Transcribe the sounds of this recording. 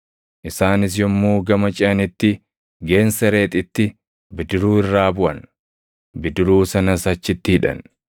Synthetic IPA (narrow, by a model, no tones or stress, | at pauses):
ʔɪsaːnɪs̬jɔmːoːɡɐmɐt͡ʃʼɪɐnɪt̪ːɪ | ɡe̞ːnsɐɾe̞ːt̪ʼɪt̪ːɪ | bɪd̪ɪɾuːɪrːaːbʊʔɐn | bɪd̪ɪɾuːsɐnɐsɐt͡ʃːɪt̪ːɪhɪᶑɐ̰n